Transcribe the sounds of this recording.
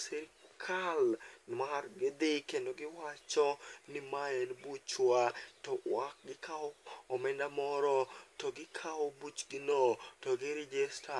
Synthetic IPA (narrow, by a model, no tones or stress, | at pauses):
sɛɾkʰalmarɡɪd̪ɪkendoɡɪwat͡ʃɔnɪmaenbut͡ʃwatɔwak̚ɡɪkʰaɔɔmɛndamɔɾɔtɔɡɪkʰaɔbut͡ʃɡɪnotɔɡɪɾɛd͡ʒɛsta